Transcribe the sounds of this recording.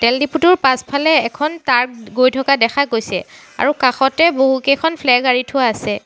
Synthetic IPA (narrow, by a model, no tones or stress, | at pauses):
tɛldiputuɹpaspʰalɛːkʰɔntaɹk̚ɡojtʰɔkadɛxaɡojsɛ | a̰ɹukaxɔtɛboɦukejkʰɔnpʰlɛɡaɹitʰʊaːsɛ